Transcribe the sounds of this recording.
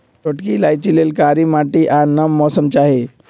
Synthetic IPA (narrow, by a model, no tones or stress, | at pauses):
t͡ʃoʈkilaːjt͡ʃilelkaːɾimaːʈiʔaɾnəmːɔːsəmt͡ʃaːɦe